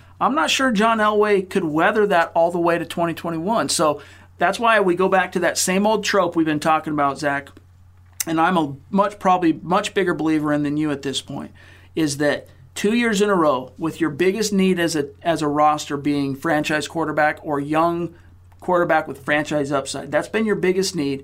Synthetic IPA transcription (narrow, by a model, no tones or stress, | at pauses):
ãɪ̃mnətʃʊɹd͡ʒɑ̃nɛlˠweɪkʰɨd̚wɛðə˞ðəɾɔlˠðəweɪɾɨtʰw̥ɛ̃ɾ̃itʰw̥ɛ̃ɾ̃iwʌ̃nsoʊ | ðætswaɪwiɡoʊbæk̚tʰɨðɨtsẽɪ̃moʊlˠd̚tʰɹ̥oʊpwivbɨ̃ntʰɔkɪ̃ŋəbaʊtz̥æk | ɨ̃nãɪ̃məmʌt͡ʃpʰɹ̥ɑbəblimʌt͡ʃb̥ɪɡə˞bəlivə˞ɨ̃nðɨ̃njɨɨt̪̚ðɪspʰɔ̃ɪ̃nt̚ | ɪzðɨtʰ | ʉjɪɹzɨ̃nəɹoʊwɪðjə˞bɪɡɨstⁿniɾɨzɨɨzəɹɔstə˞biɪ̃ŋfɹæ̃nt͡ʃaɪz̥kʰw̥ɔɹɾə˞bækə˞jʌ̃ŋ | kʰw̥ɔɹɾə˞bækwəð̥fɹæ̃nt͡ʃaɪzʌpsaɪd̪̚ðætsb̥ɨ̃njə˞bɪɡɨstⁿnid̥̚